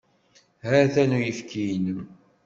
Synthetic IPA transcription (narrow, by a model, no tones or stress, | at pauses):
hæɾθænujəfkʰijn